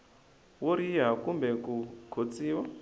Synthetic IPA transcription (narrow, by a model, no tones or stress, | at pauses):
woɾiɦakumbɛkukʰot͡siːwa